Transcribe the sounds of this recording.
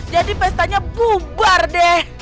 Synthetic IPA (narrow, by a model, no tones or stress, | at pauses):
d͡ʒadipɛst̪aɲabubardɛh